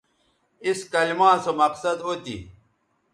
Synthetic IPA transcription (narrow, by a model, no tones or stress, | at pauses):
iskɐlimãːsomɐqsɐd̪oːt̪ḭ